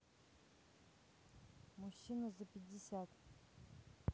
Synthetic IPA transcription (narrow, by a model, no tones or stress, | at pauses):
muɕːinɐzɐpʲɪdʲːɪsʲat̪